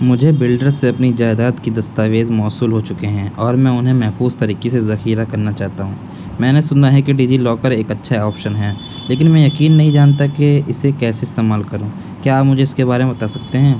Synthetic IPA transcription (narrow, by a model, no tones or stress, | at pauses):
mʊd͡ʒʱebɪlɖəɾseɐpnid͡ʒaːɪd̪aːt̪kid̪ɐst̪aːʋeːzmɔːsuːlɦot͡ʃʊkeɦɛ̃ːɔːɾmɛ̃ːʊnɦẽmɛɦfuːzt̪ɐɾiːkesezɐxiːɾakɐɾnat͡ʃaːɦt̪aɦũː | mɛ̃ːnesʊnaɦɛkeɖiːd͡ʒilɔːkəɾeːkɐtːʃʰaɔːpʃənɦɛː | leːkɪnmɛ̃ːjɐkiːnːɐɦĩd͡ʒaːnt̪akeɪsekɛːseɪst̪eːmaːlkɐɾõː | kjaːpmʊd͡ʒʱeɪskebaːɾemẽbɐt̪aːsɐkt̪eɦɛ̃ː